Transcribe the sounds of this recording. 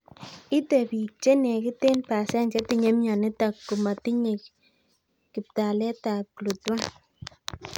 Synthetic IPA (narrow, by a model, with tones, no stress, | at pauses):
i˦te˨pi˨k̚t͡ʃe˦nɛ˨ki˦te˦npa˨sɛ˦nt͡ʃɛ˨˦ti˨ɲe˦mja˨nɪ˦ta˨kːu˨ma˨ti˦ɲe˨k | kɪ˨p̚ta˨lɛ˦ta˨lu˨twa˦n